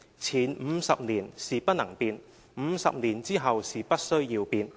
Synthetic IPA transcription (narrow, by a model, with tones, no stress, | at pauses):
t͡sʰiː˨˩nm̩˨˧sɐ˨p̚niː˨˩nsiː˨pɐ˥t̚nɐ˨˩ŋpiː˧n | m̩˨˧sɐ̰˨p̚niː˨˩nt͡siː˥ɦɐ˨wsiː˨˩pɐ˥t̚sɵ˥ɥjiː˧wpiː˧n